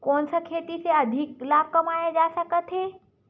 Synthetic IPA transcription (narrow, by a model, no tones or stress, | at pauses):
koɳsəkʰet̪it͡seəd̪ʱik̚lab̚kəmajed͡zasakət̪ʰe